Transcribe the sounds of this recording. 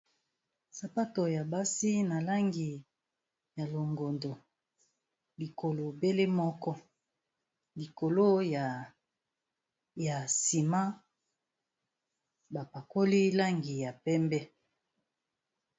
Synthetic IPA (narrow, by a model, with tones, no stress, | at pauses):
sa˨pa˦to˨ja˨ba˦si˦na˨la˦ŋɡi˨ | ja˨lo˨ŋɡo˨ndo˨ | li˨ko˨lo˨be˦le˦mɔ˦kɔ˦ | li˨ko˨lo˦ja˨ | ja˨si˨ma˦ | ba˨pa˨ko˦li˦la˦ŋɡi˨ja˨pɛ˦mbɛ˦